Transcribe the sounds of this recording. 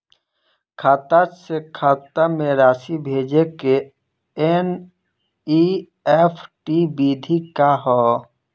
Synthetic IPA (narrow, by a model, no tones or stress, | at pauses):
kʰaːt̪asekʰaːt̪amẽɾaːsibʱeːd͡ʒeke | eːn | i | epʰʈibid̪ʱikaɦɔ